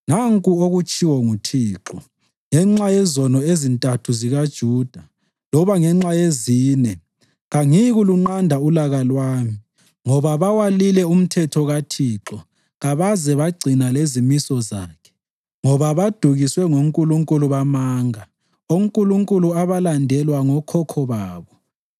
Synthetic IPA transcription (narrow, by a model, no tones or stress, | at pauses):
naŋkʼuoɣut͡ʃʼiwɔŋutʰiːǁɔ | ŋɛŋ͡ǁajɛzɔnɔezintʼatʰuziɣad̥ʒ̥ʱuːd̥ʱa | lɔβaŋɛŋ͡ǁajeziːnɛ | ɣaŋiɣuluŋ͡ǃandʱaulaɣalwaːmi | ŋɔβaβawalilɛum̩tʰɛtʰɔɣatʰiːǁɔ | ɣaβazɛβaɡ͡ǀʱinalezimisɔzaːkʰɛ̥ | ŋɔβaβad̥ʱuɣiswɛŋoŋkʼuluŋkʼuluβamaːŋa | oŋ̩kʼuluŋkʼuluaβalandʱɛlwaŋɔkʰɔkʰɔβaːβɔ